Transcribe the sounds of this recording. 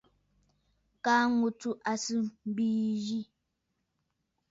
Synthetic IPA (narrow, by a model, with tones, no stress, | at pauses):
ka˦ŋu˨tu˦ʔa˨sɨ˦m̩˦bi˦d͡ʒi˦